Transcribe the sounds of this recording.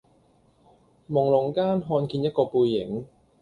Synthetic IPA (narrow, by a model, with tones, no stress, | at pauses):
mʊ˨˩ŋlʊ˨˩ŋkaː˥nɦɔː˧nkiː˧njɐ˥t̚kɔː˧puː˧jːɪ˨˩ŋ